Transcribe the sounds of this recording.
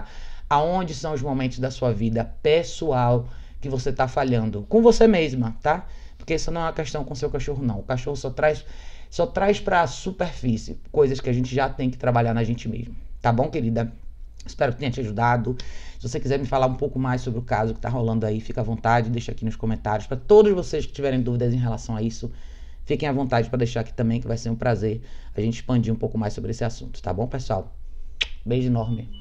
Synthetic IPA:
aõd͡ʒɪsɐ̃w̃ʊzmomẽnt̪ʊzd̪ɐsuɐvid̪ɐpesuawkɪvoset̪afaʎɐ̃nd̪ʊkõvosemeʒmɐt̪apoɾkeɛsʊnɐ̃w̃ɛɐkɛʃt̪ɐ̃w̃kõsewkaʃoɦʊnɐ̃w̃ʊkaʃohʊsɔt̪ɾajssɔt̪ɾajspɾɐsupeɾfisɪ̰kojzɐskɪaʒẽnt͡ʃɪʒat̪ẽj̃kɪ̥t̪ɾabaʎaɾnɐʒẽnt͡ʃɪmḛzmɐt̪abõw̃keɾid̪ɐ | ɪspɛɾʊkɪt̪ẽɲ̃ɐt͡ʃiaʒud̪ad̪ʊsɪvosekizɛɾmɪfalaɾũpowkʊmajsobɾɪʊkazʊkɪt̪aɦolɐ̃nd̪ʊaifikɐvõnt̪ad͡ʒɪd̪ejʃakinʊskõmẽnt̪aɾjʊspɾɐt̪od̪ʊzvoseskɪ̥t͡ʃivɛɾẽj̃d̪uvid̪ɐzẽj̃ɦelasɐ̃w̃aisʊ | fikẽj̃ɐvõnt̪ad͡ʒɪpɾɐd̪ejʃaɾaki̥t̪ɐ̃mbẽj̃kɪvajseɾũpɾazeɾaʒẽt͡ʃɪ̥spɐ̃d͡ʒiɾũpowkʊmajsobɾɪesɪasũnt̪ʊ̥t̪a̰bõpesuaw | bejʒɪnɔɾmɪ

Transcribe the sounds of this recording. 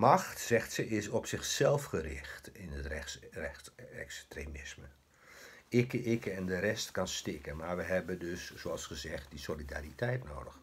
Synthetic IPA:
mɑχtsɛχtsəɪsɔpsɪχsɛlˠfχərɪ̰χtɪnətrɛsrɛɛ̰kstremɪsmə | ɪkəʔɪkəɛndəɾɛstkɑnstɪkənmaːɹʋəɦɛbəndøszoɑlˠsχəzɛχt̚disolida̰ːritɛjtno̰wdəχ

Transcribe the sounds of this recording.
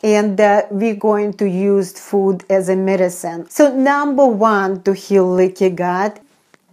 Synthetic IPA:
ɨ̃ndɛwiɡoɪ̃ŋtujuzfudɨzɨmɛɾɨsɨ̃nsoʊnʌ̃mbə˞wʌ̃ntuhilːɪkɨɡɑd̥

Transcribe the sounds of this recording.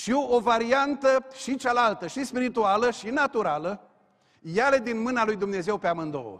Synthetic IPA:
ʃiovaɾiant̪əʃit͡ʃalalt̪əʃispiɾit̪ualəʃinat̪uɾalə | jale̞d̪inmɨnalujd̪umne̞ze̞wpeamɨnd̪o̞̰

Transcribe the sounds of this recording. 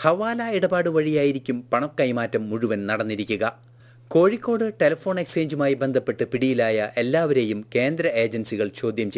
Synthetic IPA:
hɐʋaːlɐiɽɐbaːɽɨʋɐɻijaːjiɾikʲːumpɐɳɐkːɐjmaːtːɐmːuɻuʋɐnnɐɽɐnːiɾikʲːuɣɐ | ko̞ːɻikʲːo̞ːɽɨʈe̞lɐfo̞ːɳe̞kse̞ːɲd͡ʑumaːjibe̞nd̪ʱɐpːe̞ʈːɨpiɽijilaːjɐʔe̞lːaːʋɐɾe̞jumke̞ːnd̪ɾɐe̞ːd͡ʑɐnsiɣɐɭt͡ɕo̞ːd̪ʱjɐmt͡ɕe

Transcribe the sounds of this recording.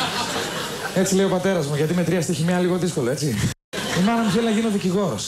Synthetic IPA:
e̞t͡sile̞iopɐt̪e̞ɾɐzmuʝɐt̪imet̪ɾiɐst̪eçimɲɐliɣo̞ðisko̞loe̞t͡si | imɐnɐmuθelinɐʝinoðiciɣo̞ɾos

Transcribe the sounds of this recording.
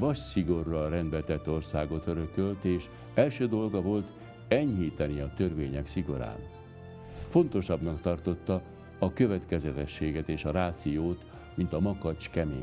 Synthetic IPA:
vɒʃsiɡo̞rːɒɾɛnd̪bɛt̪ɛt̪ːo̞rsaːɡo̞t̪øɾø̞kølt̪eːʃ | ɛlʃøːd̪o̞lɡɒvo̞lt̪ | ɛɲɦiːt̪ɛniɒt̪ø̞rveːɲɛksiɡo̞ɾa̰ːn | fo̞nt̪o̞ʃɒbnɒkt̪ɒrt̪o̞t̪ːɒː | kø̞vɛt̪kɛzɛt̪ɛʃːeːɡɛt̪eːʃɒɾaːt̪sijoːt̪ | mint̪ɒmɒkɒt͡ʃkɛmḛː

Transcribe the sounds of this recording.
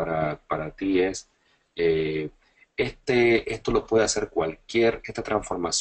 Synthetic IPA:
ɾapaɾat̪ie̞s | e | est̪eest̪o̞lo̞pwe̞ðe̞ase̞ɾkwalkje̞ɾe̞st̪at̪ɾaɱsfo̞ɾmas

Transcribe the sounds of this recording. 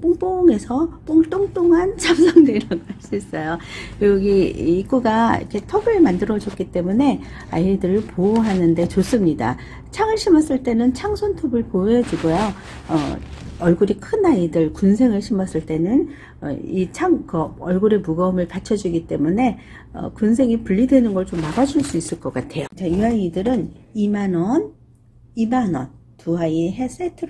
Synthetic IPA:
p͈oŋp͈oŋe̞sʰʌp͈oŋt͈oŋt͈oŋant͡ɕʰamsʰʌŋdeɾaɡoɦas͈uis͈ʌjokoɡuɡḭːk͈uɡaḭkʰe̞tʰʌɡɯɭmandɯɾʌd͡ʑʌk͈it͈e̞mune̞ | a̰idɯɾɯɭpʰooɦanɯnde̞t͡ɕos͈ɯmɲida̰ | t͡ɕʰaŋɯɭɕʰimʌs͈ɯɭt͈e̞nɯnt͡ɕʰaŋsʰontʰobɯɭpojʌd͡ʑiɡojo | ʌ̰ʌɭɡuɾikʰɯnaidɯɭkunsʰe̞ŋɯɭɕʰimʌs͈ɯɭt͈e̞nɯn | ʌ̰it͡ɕʰaŋkɯʌɭɡuɾe̞muɡʌɯmɯɭpat͡ɕʰʌd͡ʑiɡit͈e̞mune̞ | ʌ̰kuns̬ʰe̞ŋipuʎːidwe̞nɯnɡʌɭt͡ɕomːaɡad͡ʑuɭs͈uis͈ɯɭk͈ʌk͈atʰe̞jot͡ɕajuaidɯɾɯnimanʌn | imanʌ̰n | tuɦaiɦe̞s͈ʰetʰɯɾ

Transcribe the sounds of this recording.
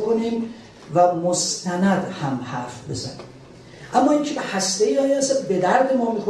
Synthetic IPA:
kʰoniːm | væmost̪ʰænæd̪hæmhæɾfbḛzæ̰nim | ʔæmːɒːiːŋcʰebehæst̪eiɒːjeæsæd̪be̞d̪æɾd̪emɒːmiːxo

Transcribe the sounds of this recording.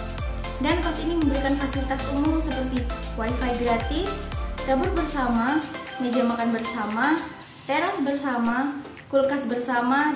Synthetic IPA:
dankɔsiniməmbəɾikanfasilit̪asṵmumsəpərt̪iwaifaidɾat̪ifd͡ʒabʊrbərsama | ɲəd͡ʒamakanbərsama | t̪eɾasbərsama | kulkasbərsama

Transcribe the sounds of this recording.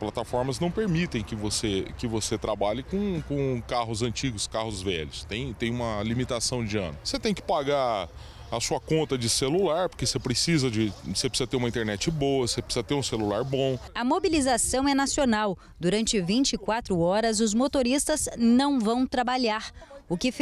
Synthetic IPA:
plat̪afɔɾmɐznɐ̃w̃peɾmit̪ẽj̃kɪvosekɪvoset̪ɾabaʎɪkõkõkaɦʊzɐ̃nt͡ʃiɡʊskahʊzvɛ̰ʎʊst̪ẽj̃t̪ẽj̃ũmɐlimit̪asɐ̃w̃d͡ʒɪɐ̰̃nʊset̪ẽj̃kɪ̥paɡa | ɐsuɐkõnt̪ɐd͡ʒɪselulaɾpoɾkesepɾesizɐd͡ʒɪsep̬ɾɪsizɐt̪eɾũmɐĩt̪eɾnɛt͡ʃɪbowɐsepɾɪsizɐt̪eɾũselulaɾbõɐmobilizasɐ̃w̃ɛnasionaw | d̪uɾɐ̃nt͡ʃɪvĩnt͡ʃɪɪkwat̪ɾʊɔɾɐzʊzmot̪oɾist̪ɐznɐ̃w̃vɐ̃w̃t̪ɾabaʎaɾʊkɪf

